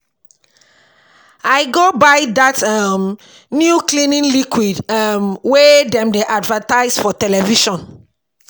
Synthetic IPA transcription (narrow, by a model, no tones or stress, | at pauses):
aɪɡobaɪdatam | njuklĩnĩnlikwidamwɛdɛ̃mdeʔadvataɪsfɔtɛlɛviʃɔ̃n